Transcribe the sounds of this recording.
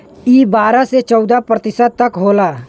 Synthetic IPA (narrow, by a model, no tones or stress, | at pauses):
iːbaːɾaset͡ʃɔʊd̪apɾət̪ɪsət̪əkɦoːla